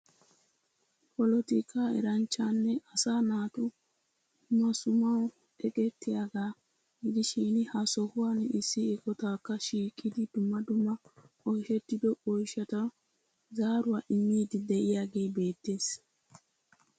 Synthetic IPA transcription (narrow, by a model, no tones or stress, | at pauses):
pɔlɔt̪ɪkʰaːɛ̰ɾɐnt͡ʃːanːɛʔɐsaːnaːt̪ʊ | mɐsʊmɐw | ɛɡɛt̪ːɪjaɡa | ɡɪd̪ɪʃinɪhɐsɔhʊanɛʔɪsːɪːkɔt̪aːkːɐʃiːkʼːɪd̪ɪd̪ʊmːɐd̪ʊmːɐ | ɔjʃɛt̪ːɪd̪ɔɔjʃɐt̪ɐ | zaːɾʊɐʔɪmːiːd̪ɪd̪ɛʔɪjaɡeːbe̞ːt̪ːeːs